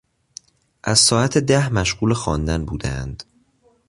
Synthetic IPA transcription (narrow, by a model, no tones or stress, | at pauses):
ʔæz̥sɒːæt̪ʰed̪æhmæʃɢuːlexɒːnd̪ænbuːd̪æ̰nd̪̥